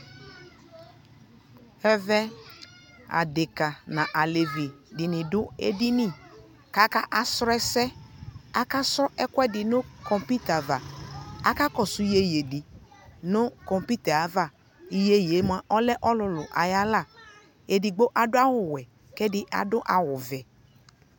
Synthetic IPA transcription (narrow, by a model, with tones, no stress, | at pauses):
ɛ˦vɛ˦ | a̰˨dɪ˨ka˨nã˨ʔa˨le˨vi˨dɪ˨nɪ̃˨dʊ˦ḛ˦di˦nĩ˦˨ | ka˨˦ka˦ʔa˨sɾɛ˦sɛ˦a˦ka˦sɔ˦ʔɛ˦kwɛ˦dɪ˨nʊ˦kɔ˨mpi˦t̪a˨va˨a˦ka˦kɔ˨sʊ˦je˦je˨di˨nʊ˦kɔ˨mpi˦t̪ɛ˨a˨˦va˦˨ | i˨je˦je˨˦m˦a˨ʔɔ˦lɛ˦ʔɔ˦lʊ˨lʊ˨ʔa̰˨ja˦la˦˨ | e˨di˨ɡ͡bo˦ʔa˨dʊ˦a˦wʊ˨wɛ˨ | kɛ˦dɪ˦ʔa̰˨dʊ˦ʔa˨wʊ˨vɛ˨